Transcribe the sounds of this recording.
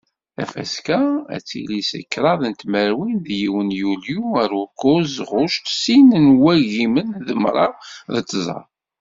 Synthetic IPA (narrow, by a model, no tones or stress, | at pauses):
æ̰fæ̰skææ̰t͡sːḭlisə̰kːɾˤɑðənt̪məɾwinðjiwənjuljuəɾukːʊzʁʊʃt̪sinənwæʝimənðəmɾˤɑðət͡sːzˤɑ̰